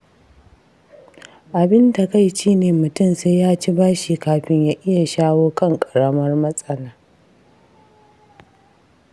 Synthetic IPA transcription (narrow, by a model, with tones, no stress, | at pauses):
ʔa˨bɪ˦nda˨ka˦˨jʃiː˦neː˨mʊ˨tʊ˦˨mseː˦jaː˦t͡ʃi˦baː˦ʃiː˨kaː˨ɸɪ˦ɲjaː˦ʔɪ˦ja˨ʃaː˦woː˦kɐ˦ŋkʼɐ̥˨ɽɐ˦mɐ˦rmɐ˦sʼɐ˦laː˦